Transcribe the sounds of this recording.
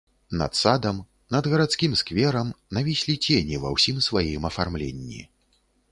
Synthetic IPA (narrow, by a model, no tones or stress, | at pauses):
nɐ̰t̪sad̪ɐm | nɐd̪ɣɐɾat̪skʲimskvʲɛɾɐmnɐvʲisʲlʲit͡sʲenʲivɐ̰wsʲimsvajimɐfarmlʲḛnʲːḭ